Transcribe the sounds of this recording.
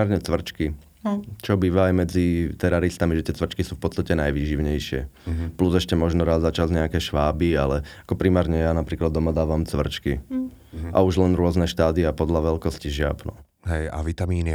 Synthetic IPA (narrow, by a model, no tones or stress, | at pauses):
aɾɲɛt͡sʋr̩t͡ʃki | t͡ʃɔbiːʋaːjmɛd͡zit̪ɛɾaɾist̪amiʒɛt̪ɪɛt͡sʋr̩t͡ʃkisuːfpɔt͡st̪acɛnajʋiːʒiʊɲɛjʃɪɛ̰pluzɛʃcɛmɔʒnɔɾaːzːat͡ʃazɲɛakɛʃʋaːbialɛakɔpɾimaːɾɲɛjanapɾiːklad̪ːɔmad̪aːʋamt͡sʋr̩t͡ʃki | ʔa̰uʒlɛnɾʊɔznɛʃt̪aːd̪iapɔd̪laʋɛlkɔsciʒɪa̰pnɔ̰ | ɦɛja̰ʋit̪amiːni